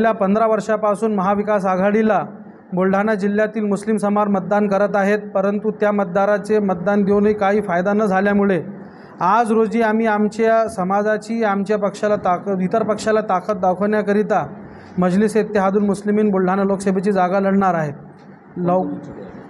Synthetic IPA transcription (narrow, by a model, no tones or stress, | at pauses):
ljapənd̪ɾaʋəɾʂapasuːnməɦaʋikas̬aɡʱaɽila | bolɖ̤ʱanad͡ʑil̤ːjat̪iːlmuslimsəmaɾmət̪̚d̪ankəɾət̪aɦet̪̚pəɾənt̪ut̪jamət̪̚d̪aɾat͡semət̪̚d̪and̪ewnəikaɦiːfajd̪anəd͡zʱaljamuɭe | ad͡zɾod͡ʑiːam̤iːamt͡ɕjasəmad͡zat͡ɕiːamt͡ɕjapəkʂalat̪ait̪əɾpəkʂalat̪akət̪̚d̪awkʰəʋɳjakəɾit̪a | məd͡ʑliset̪ːeɦad̪uːnmuslimiːnbolɖ̤ʱanaloksebʱet͡ɕiːd͡zaɡaləɽɳaɾaɦet̪̚ | lə